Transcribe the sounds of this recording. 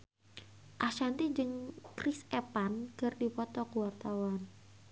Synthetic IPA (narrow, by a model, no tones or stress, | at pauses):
ʔaʃant̪id͡ʒɨŋkrɪsepankɨrdipɔt̪ɔkuwart̪awan